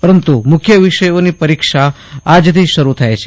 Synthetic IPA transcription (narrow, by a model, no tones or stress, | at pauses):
pəɾənt̪umʊkʰjəʋiʃəjonipəɾikʃa | ad͡ʒt̪ʰiʃəɾut̪ʰajt͡ʃʰe